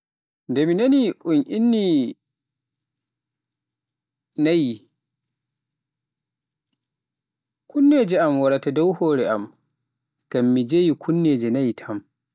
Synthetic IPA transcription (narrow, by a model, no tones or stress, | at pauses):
ndɛminaniʔunʔinːi | naji | kunːeːd͡ʒɛamwaɾatadɔwhɔːɾɛʔam | ɡ̥amːid͡ʒejikʰunːed͡ʒɛnajtʰam